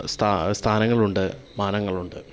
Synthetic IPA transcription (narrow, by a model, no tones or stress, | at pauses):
st̪ʰast̪ʰaːnɐŋːɐɭuɳɖɨ | maːnɐŋːɐɭuɳɖɨ̰